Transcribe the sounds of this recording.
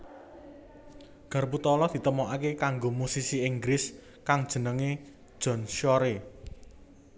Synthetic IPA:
ɡ̥a̤rput̪ɔlɔd̪̥i̤t̪əmɔʔakekaŋɡomusisiiŋɡɾɪs | kaŋd̥ʒ̥ə̤nəŋe̥ | ʒ̥ɔ̤nʃɔɾe

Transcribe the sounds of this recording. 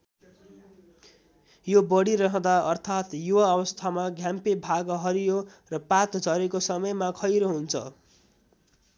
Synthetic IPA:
jobʌɽiɾʌɦʌ̃d̪aʌrt̪ʰat̪juaʌβʌst̪ʰamaɡʱjampebʱaɡʌɦʌɾijorʌpat̪d͡zʱʌɾekosʌmʌjmakʰʌjɾoɦunt͡sʰʌ̰

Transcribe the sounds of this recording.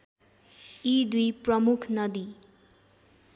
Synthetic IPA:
id̪ujprʌmukʰnʌd̪i

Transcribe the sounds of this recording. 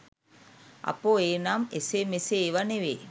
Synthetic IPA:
a̰poeːnamesemeseːʋaneʋe

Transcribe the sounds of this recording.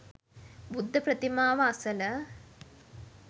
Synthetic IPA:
bud̪ʱːɐpɾɐt̪imaːʋɐɐsɐlɐ

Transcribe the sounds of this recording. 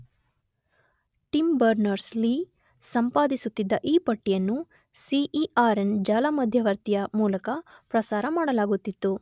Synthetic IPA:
ʈimbɐɾnɐɾsliː | sɐmpaːd̪isut̪ːid̪ːɐʔiːpɐʈːijɐnːu | siʔiaːɾend͡ʒaːlɐmɐd̪ʱjɐʋɐɾt̪ijɐmuːlɐkɐpɾɐsaːɾɐmaːɽɐlaːɡut̪ːit̪ːu

